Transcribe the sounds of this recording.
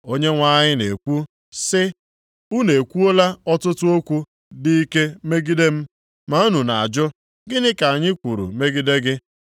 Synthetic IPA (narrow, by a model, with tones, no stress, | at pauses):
o˦ɲe˦ŋʷa˦˨ɲɪ˦ne˨kʷu˦ | sɪ˦ | u˦ne˨kʷu˦o˦la˦ɔ˦tʊ˦tʊ˦o˦kʷu˦ | dɪ˦i˦ke˦me˦ɡi˦de˦m̩˦ | ma˦u˦nu˨na˨a˨d͡ʒʊ˦ | ɡɪ˦nɪ˦ka˨a˨ɲɪ˦kʷu˨ɾṵ˨me˦ɡi˦de˦ɡɪ˦